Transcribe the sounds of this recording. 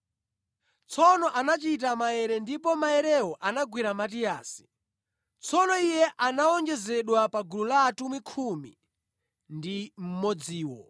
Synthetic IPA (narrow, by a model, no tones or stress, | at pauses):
t͡sʰɔnɔʔanat͡ʃit̬amajɛɾɛndipɔmajɛɾɛwɔʔanaɡwiɾamatijaːsi̥ | t͡sʰɔnɔijɛʔanaɔnd͡ʒɛzɛɗwapaɡululaːtumwikʰumḭ | ndim̩mɔd͡ziːwɔ̰